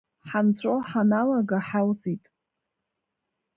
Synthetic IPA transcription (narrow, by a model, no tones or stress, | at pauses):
ħant͡ɕʷʰʼoħanalaɡaħalt͡sʼitʼ